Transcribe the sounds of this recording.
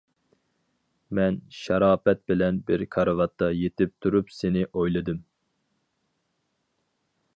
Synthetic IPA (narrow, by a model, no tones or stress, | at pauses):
mɛnʃɑɾɑːpɛt̪̚bɪlɛnbɪɾkʰɑɾɨvɑt̪ːɑjet̪ʰɪp̚t̪ʰuɾupsenɪʔojlˠɨd̪ɨm